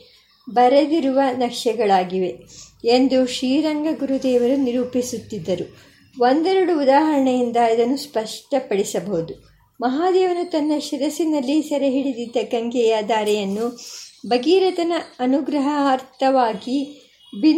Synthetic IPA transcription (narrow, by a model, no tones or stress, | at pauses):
bɐɾed̪iɾuʋɐnɐkʂɐɡɐɭaːɡiʋe̞end̪uʃɾiːɾɐŋɡɐɡuɾud̪ɛːʋɐɾuniɾuːpisut̪ːid̪ːɐɾu | ʋo̞nd̪ɛɾuɽuːd̪aːɦɐɾɐɳɐjind̪ɐid̪ɐnːuspɐʂʈɐpɐɽisɐbɐɦud̪u | mɐɦaːd̪ɛːʋɐnut̪ɐnːɐʃiɾɐsinɐlːisɐɾɐɦiɽid̪id̪ːɐkɐŋɡɛjaːd̪aːɾɛjɐnːubɐɡiːɾɐt̪ɐnɐɐnuɡɾɐɦɐːɾt̪ʰɐʋaːɡi | bi